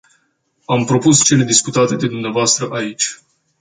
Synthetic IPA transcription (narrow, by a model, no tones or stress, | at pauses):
ampɾo̞pust͡ʃe̞le̞d̪iskut̪at̪e̞d̪e̞d̪umneavoast̪ɾəʔait͡ʃʲ